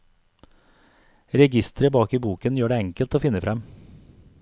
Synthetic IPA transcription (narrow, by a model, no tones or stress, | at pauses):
ɾɛɡɪst̪əɾəbɑːkiːbuːkənjøːɖeːɛŋkəlt̪oːfɪnəfɾɛm